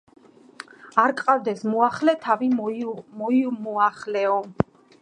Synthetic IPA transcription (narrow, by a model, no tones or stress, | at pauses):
aɾkʼqʼavd̪ɛsmuaχlɛt̪ʰavimɔimɔaχlɛɔ